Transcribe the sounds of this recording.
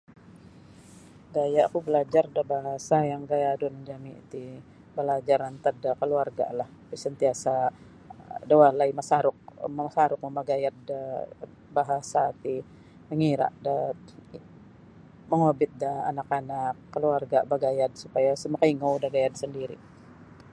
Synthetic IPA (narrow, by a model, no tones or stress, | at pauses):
dajakubəlad͡ʒardabaɦasajaŋɡajadund͡ʒamit̪i | bəlad͡ʒaɾant̪adakəluarɡa̰lah | pisənt̪iasa | dawahlaimasaɾʊk̚məasaɾʊk̚məmaɡajat̪̚da | baɦasat̪i | məŋiɾa̰ʔda | məɦobɪt̪̚daa̰nakanakːəluarɡabaɡajad̪̚supajasəmakaiŋowdaɡajad̪səndiɾḭ